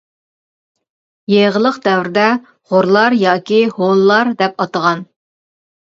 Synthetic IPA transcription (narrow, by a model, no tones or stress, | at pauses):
jeʁəlˠəqd̪ɛwɾɪd̪ɛ | ʁoɾlˠɑɾjɑːkʲiholˠːɑɾd̪ɛpɑt̪əʁɑn